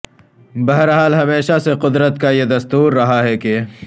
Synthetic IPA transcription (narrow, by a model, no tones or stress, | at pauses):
bɐɦɾɦaːlɦɐmeːʃaseqʊd̪ɾət̪̚kajed̪ɐst̪uːɾːɐɦaɦɛke